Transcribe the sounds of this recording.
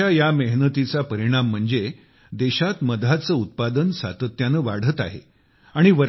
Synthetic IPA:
ajaməɦnət̪it͡sapəɾiɽ̃am̤ːəɳd͡ze | d̪eɕat̪məd̪ʱat͡səːut̪̚pad̪ənsa̰t̪ət̪janəʋaɽ̤ət̪a̰ɦḛ | aɽ̃iʋəɾ

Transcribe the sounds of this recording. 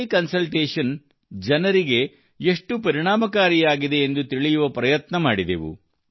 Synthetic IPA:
kɐnsɐlʈeːʂɐn | d͡ʒɐnɐɾiɡe̞ | eʂʈupɐɾiɳ̃aːmɐkaːɾijaːɡid̪e̞ːnd̪ut̪iɭijuʋɐpɾɐjɐt̪nɐmaːɽid̪ḛʋṵ

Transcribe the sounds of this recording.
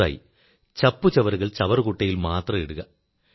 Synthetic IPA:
a̰ːjḭ | t͡ɕɐpːɯt͡ɕɐʋɐɾɯɣɐɭt͡ɕɐʋɐrkuʈːɐjilmaːt̪rɐeɽɯɣɐ

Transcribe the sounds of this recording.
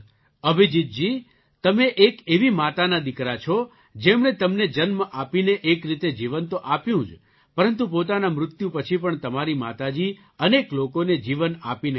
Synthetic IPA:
əbʱid͡ʒit̪̚d͡ʒi | t̪əmeʔekeʋimat̪anad̪ɪkɾat͡ʃʰo | d͡ʒemɳet̪əmned͡ʒənmʔapineʔekɾit̪ed͡ʒiʋənt̪oʔapjũd͡ʒ | pəɾənt̪̬upot̪anamɾʊt̪jũpət͡ʃʰipəɳt̪əmaɾima̰t̪ad͡ʒi | əneklokoned͡ʒiʋənapin

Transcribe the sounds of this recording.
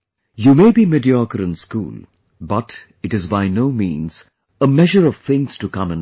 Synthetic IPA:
jumeɪbimɪdiɔkəɾɨ̃nskṵːl | bʌt | ɨʈɨzbaɪnoʊmḭ̃ːnz̥ | əmɛʒəɹʌv̥θɪ̃ŋz̥tukʌ̃mɨ̃n

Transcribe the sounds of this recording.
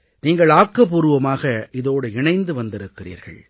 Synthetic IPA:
niːŋɡɐɭaːkːɐpːuːɾɯʋɐmaːɣɐʔɪðoːɽɯɪɳɐɪnd̪ɯʋɐnd̪ɪɾɯkːɪrḭːɾɣɐ̰ɭ

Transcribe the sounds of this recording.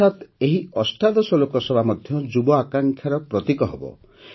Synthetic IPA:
at̪eɦiɔsʈad̪ɔsɔlokɔsɔbʱamɔd̪ʱjɔd͡ʒubɔakaŋkʰjaɾɔpɾɔt̪ikɔɦebɔ̰

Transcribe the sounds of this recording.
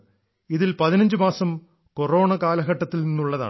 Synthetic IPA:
iðilpɐðinɐɲd͡ʑɨmaːsɐm | koro̞ːɳɐkaːlɐɣɐʈːɐt̪ːilninːuɭːɐða̰ː

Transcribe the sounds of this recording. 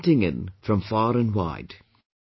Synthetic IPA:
ntɪ̃ŋɪ̰̃nfɹʌ̃ɱfɑːɹɨ̃nwa̰ɪd̥

